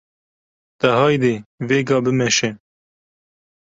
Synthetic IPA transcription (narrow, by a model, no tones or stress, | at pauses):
t̪ɛɦɑːjd̪eːveːɡɑːbɨmɛʃɛ